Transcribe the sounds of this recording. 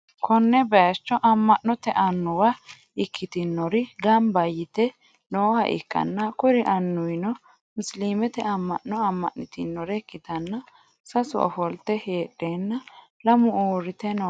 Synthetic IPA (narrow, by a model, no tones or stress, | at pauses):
kʰɔnːɛbɛjɐt͡ʃːɔʔɐmːɐʔnːɔt̪ɛʔɐnːʊwɐ | ɪkʰːɪt̪ɪnːɔɾɪɡɐmbɐjɪt̪ɛ | noːhɐ̰ʔɪ̰kːɐ̰nːɐkʊɾɪʔɐnːʊwɪnɔ | mʊsliːmɛt̪ɛɐmːɐ̰ʔːɔɐmːɐ̰ʔnːɪt̪ɪnːɔɾɛkːɪt̪ɐnːɐ | sɐsʊ̰ʔɔ̰fɔlt̪ɛheːɗːe̞ːnːɐ | lɐmʊoːɾɪt̪ɛnɔ